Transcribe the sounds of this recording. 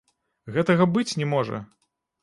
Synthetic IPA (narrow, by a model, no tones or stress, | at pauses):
ɣɛt̪ɐɣɐbɨt͡sʲnʲɛmɔʐɐ̰